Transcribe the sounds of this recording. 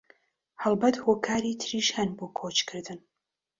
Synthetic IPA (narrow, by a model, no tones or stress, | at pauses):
hɐlˠbɐt̪hoːkʰaːɾit̪ʰɨɾiːʃjaːnboːkʰot͡ʃkʰɨɾd̪ɨn